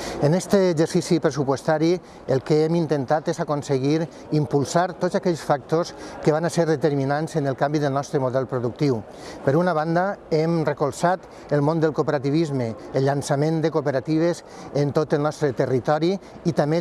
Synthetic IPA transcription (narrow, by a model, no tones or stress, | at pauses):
ənɛst̪əːzəɾsisipɾəsupwost̪aɾi | əlˠkeemint̪ənt̪at̪ezakonseɣiɾ | impulˠsaɾt̪ozakɛʎsfak̚t̪oskəβ̞anaseɾðət̪əɾminanzənəlˠkambiðəlˠnɔst̪ɾəmuðɛlˠpɾoðuk̚t̪iw | pəɾunaβ̞and̪aemrəkolˠsat̪ | əlˠmõnd̪əlˠkupeɾat̪iβ̞izməəlʎansamend̪əkupəɾat̪iβ̞əz | ent̪ot̪əlˠnɔst̪ɾət̪ərit̪ɔɾi | it̪ame